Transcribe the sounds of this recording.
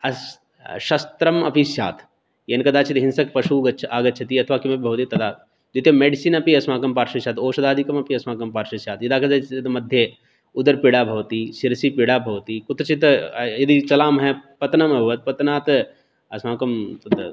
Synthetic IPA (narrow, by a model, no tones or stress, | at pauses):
ɐs | ʃɐst̪ɾɐmɐ̰pʰisja̰ːt̪ʰ | jɐnkɐd̪aːt͡ʃʰit̪ɦɪnsɐk̚pɐʃuːɡɐt͡ʃʰaːɡɐt͡ʃʰɐt̪iɐt̪ʰʋaːkimɐbibʱɐʋt̪it̪ɐd̪aːt̪ | d͡ʒot̪jɐmeːɖisiːnɐpiɐsmaːkɐmpaːɾʃɐsjaːt̪oːʃɐd̪aːd̪ʱikɐmɐpʰiɐsmaːkɐmpaːɾʃɐsjaːt̪jɐd̪aːkɐd̪at͡ʃʰit̪t̪mɐd̪ʱje | ʊd̪ɐɾpiɽaːbʱɐʋt̪iʃiɾsipiɽaːbʱɐʋt̪iːkʊt̪ɾɐt͡ʃʰit̪jɐd̪it͡ʃɐlaːmɦɛpɐt̪nɐmɐbʱɐʋɐt̪̚pɐt̪naːt̪ | ɐsmaːkɐmt̪ɐt̪